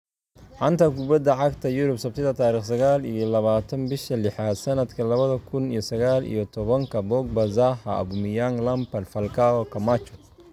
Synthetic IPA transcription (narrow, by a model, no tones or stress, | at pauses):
ʕɐnt̪ʰɐkʰʊbɐd̪ɐʕɑɡt̪ʰɐjʊɾʊbsɐb̚t̪ʰɪðɐt̪ʰaːɾiːχsɐɣaːlḭjɔlɐβaːt̪ʰɐnbɪʃɐlɪħad̪sɐnɐd̪kʰɐlɐβɐðɐkʰʊnijɔsɐɣaːlḭjɔt̪ʰɔβɐŋkʰɐbɔːɡ̚bɐzaɦɐɐ̰bʊmɪjaŋlɐmpɐlfɐlkʰaːwɔkʰɐmat͡ʃɔ